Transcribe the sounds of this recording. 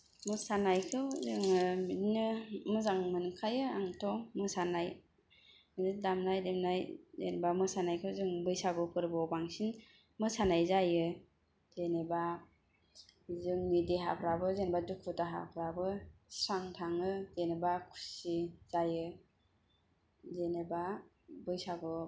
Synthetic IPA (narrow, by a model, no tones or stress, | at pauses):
mɯsanajkʰɯwzɯŋɯminnɯmɯzaŋmɯnkʰajɯaŋtʰɔmɯsanaj | minɯdamnajdemnajzḛnbamɯsanajkʰɯwzɯŋbɯjsabɯpʰɯɾbɔbaŋsin | mɯsanajzajɯ | zeneba | zɯŋnidiɦa̰pʰɾabɯzenebadukʰutaɦa̰pʰɾabɯsɾaŋtʰaŋɯzenebakʰu̥siz̥ajɯ | zeneba | bɯjsaɡɯ